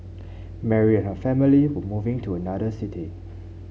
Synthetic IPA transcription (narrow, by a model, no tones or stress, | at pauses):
mɛɹiɛ̃nhəfɛmiliwəmuvɪ̃ŋtʰuənadəsɪtʰi